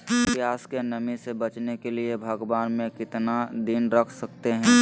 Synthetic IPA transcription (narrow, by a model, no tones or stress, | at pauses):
pjaːskenɐmisebɐt͡ʃnekeliebʱɐɡʋaːnmẽkɪt̪nad̪ɪnɾɐkʰsɐkt̪eɦɛ̃ː